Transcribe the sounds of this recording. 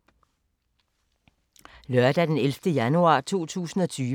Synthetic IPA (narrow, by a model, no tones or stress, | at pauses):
lœɐd̥æd̥enelfd̥əjænuɑ̰̈ːt͡sʰo̝̰ːt͡sʰṵːsn̩ɒ̽t͡sʰyː